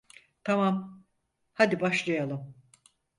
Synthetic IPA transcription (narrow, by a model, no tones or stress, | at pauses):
t̪ʰamam | had̪ibaʃlˠajalˠɯm